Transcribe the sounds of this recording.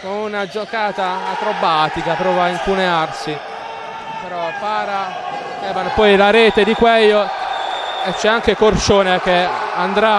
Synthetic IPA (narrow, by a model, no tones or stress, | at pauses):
komunad͡ʒokaːt̪aːt̪ɾobaːt̪ikapɾɔːvaiŋkunearsi | peɾɔpːaːɾa | ɛːvanopɔjlaɾɛːt̪ed̪ikwɛjːo | et͡ʃːɛaŋkekort͡ʃoːnek̟eand̪ɾa